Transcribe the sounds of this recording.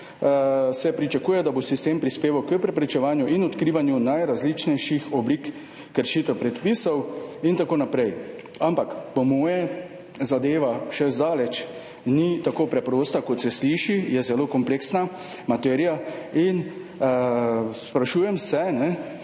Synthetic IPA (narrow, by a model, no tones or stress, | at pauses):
sɛpɾit͡ʃakuːjɛd̪abosist̪eːmpɾispeːʋawkəpɾɛpɾɛt͡ʃɛʋaːnjuʔinɔt̪kɾiːʋanjunajɾazlit͡ʃnɛjʃixɔblikː | əɾʃiːt̪ɛpɾɛt̪piːsɔwint̪akoːnapɾɛj | ampakpɔmɔːjɛ | zad̪eːʋaʃɛzd̪aːlɛt͡ʃ | nit̪akoːpɾɛpɾoːst̪akɔt̪sɛsliʃijɛzɛloːkɔmpleksna | mat̪ɛːɾijain | spɾaʃuːjɛmsɛnɛ